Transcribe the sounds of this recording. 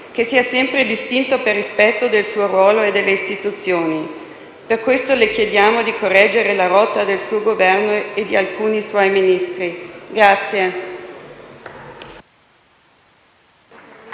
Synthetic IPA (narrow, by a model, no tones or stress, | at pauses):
k̟esːiːasɛmpɾed̪ist̪int̪operːispɛt̪ːod̪elsuːoɾwɔːloed̪ːelːeist̪it̪ut̪sːjoːni | perkwest̪olek̟jed̪jaːmod̪ikʰorːɛd͡ʒːeɾelaɾɔt̪ːad̪elsuoɡovɛrnoed̪ːialkuːniswɔjminist̪ɾiɡɾat̪sːje